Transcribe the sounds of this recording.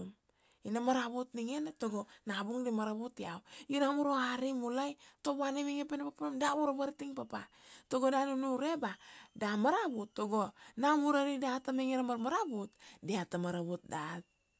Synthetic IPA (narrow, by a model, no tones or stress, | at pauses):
m | inamaɾaβutniŋenatoɡo̞nabuŋdimaɾaβutiawjunamuɾo̞aɾimulajto̞βanemeŋepenapapomdauɾaβaɾitiŋpapa̰to̞ɡo̞danunuɾe̞badamaɾaβutːo̞ɡo̞namuɾaɾidatameŋeɾamaɾmaɾabut̚diatamaɾaβut̚dat̚